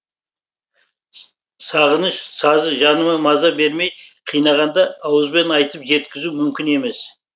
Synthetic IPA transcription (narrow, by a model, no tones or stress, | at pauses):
sɑʁənəʃsɑzəʒɑnəmɑmɑzɑbe̞ɾme̞jqʰijnɑʁɑnd̪ɑːwəzbe̞nɑjt̪əpʒe̞t̪kʲɪzumʏmkʲɪne̞me̞s